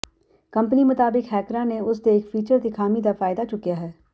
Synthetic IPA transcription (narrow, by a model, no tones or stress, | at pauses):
kɐ̃mpənimʊt̪aːbɪkɦɛːkɾãneʊsd̪eːkfiːt͡ʃəɾd̪ikʰaːmid̪afaːɪd̪at͡ʃʊkijaɦɛː